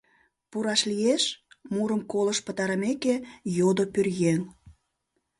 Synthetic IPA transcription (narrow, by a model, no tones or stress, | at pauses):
puɾɑʃlijeʃmuɾəmkoləʃpət̪ɑɾɑmekejod̪opørjeŋ